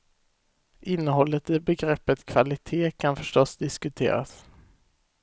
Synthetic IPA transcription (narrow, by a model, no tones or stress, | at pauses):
ʔɪnːəɦɔlːət̪ɪbɛɡɾɛpːət̪kʰv̥alɪt̪ʰeːkʰanfœʂʈɔsd̪ɪskɵt̪ʰḛːɾa̰s